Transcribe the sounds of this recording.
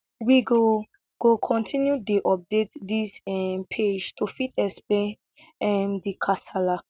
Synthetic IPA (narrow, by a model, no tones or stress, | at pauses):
wiɡo | ɡ̥okʰɔ̃ntʰĩnjudiʔɔp̚detdisɛmpʰed͡ʒtʰufitɛksplẽn | ɛmdikʰasala